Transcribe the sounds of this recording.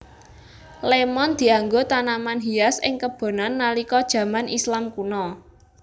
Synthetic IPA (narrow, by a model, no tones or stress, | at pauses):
lemɔnd̪̥i̤aŋɡot̪anamanɦiasɪ̰ŋkəb̥o̤nanːalikɔd̥ʒ̥ä̤manʔislamkunɔ